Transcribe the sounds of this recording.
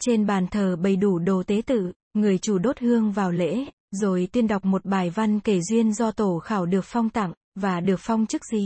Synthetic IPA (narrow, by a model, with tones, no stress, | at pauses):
t͡ɕe˧nɓaː˨˩nt̪ʰəː˨˩ɓə˨˩jɗu˧˩ɗo˨˩t̪e˨˦t̪ɨ̰˧˨ | ŋɨ˨˩əjt͡ɕu˧˩ɗo˦˥t̚hɨ˧əŋvaː˨˩wlḛ˧˥ | zo˨˩jt̪i˧ənɗa˨˩wk͡p̚mo˨˩t̚ɓaː˨˩jva˧nke˧˩zwi˧ənzɔ˧t̪o˧˩xaː˧˩wɗɨ˨˩ək̚fɔ˧wŋ͡mt̪a̰˧˨ŋ | vaː˨˩ɗɨ˨˩ək̚fa˧wŋ͡mt͡ɕɨ˦˥k̚zi˧˨˩